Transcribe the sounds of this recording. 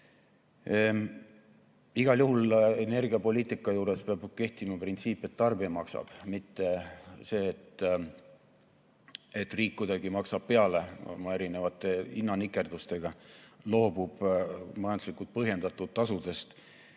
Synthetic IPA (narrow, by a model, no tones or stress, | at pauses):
iɡ̥ɑljuɦulene̞rɡiɑpo̞lʲiːt̪ˑikːˑɑjuːɾe̞speɑb̥ke̞ht̪imɑprint̪siːpːˑe̞t̪ːɑrbiɑmɑksɑ̰b̥mit̪ːe̞se̞ːt̪ːˑ | et̪ːˑriːkːujd̪̥ɑɡ̥imɑksɑb̥̚pe̞ɑle̞̰mɑe̞ɾinevɑt̪ːˑe̞inːɑnikːˑe̞rd̪ust̪e̞ɡ̥ɑlo̞ːb̥ub̥mɑjɑnd̪uslikːult̪̚pɤɦje̞nd̪̥ɑt̪ːˑut̪ːɑsud̪̥e̞st̪